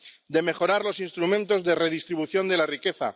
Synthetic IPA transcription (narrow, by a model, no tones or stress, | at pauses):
d̪e̞me̞xo̞ɾaɾlo̞sinst̪ɾumẽnt̪o̞zðe̞re̞ð̞ist̪ɾiβuθjo̞nd̪e̞larike̞θa̰